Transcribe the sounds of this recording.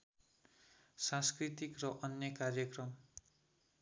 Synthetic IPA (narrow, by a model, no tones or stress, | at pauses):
sãnskrit̪ikrʌʔʌnjʌkarjʌkrʌm